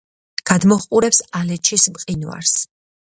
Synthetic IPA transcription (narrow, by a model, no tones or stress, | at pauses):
ɡ̥ad̪mɔχqʼuɾɛpsalɛt͡ʃʰismqʼinwa̰ɾs